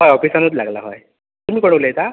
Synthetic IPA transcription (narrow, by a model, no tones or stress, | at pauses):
ɦɔjɔpisanut̪laɡla̰ɦɔj | t̪um̤iːkoɽ̃oləjt̪a